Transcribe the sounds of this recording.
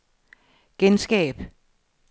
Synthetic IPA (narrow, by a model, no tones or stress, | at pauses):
ɡ̥ensɡ̥ɛ̰ːb̥